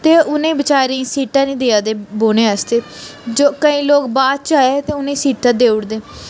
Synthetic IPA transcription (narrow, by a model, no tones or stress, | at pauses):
t̪eːʊnẽːbət͡ʃaːɾeĩːsiːʈãːnĩːd̪eːaːd̪eːboːnẽːəst̪eːd͡ʒoːkəĩːloːkbaːd̪̚t͡ʃaːeːt̪eːʊnẽːsiːʈãːd̪eːʊɽd̪eː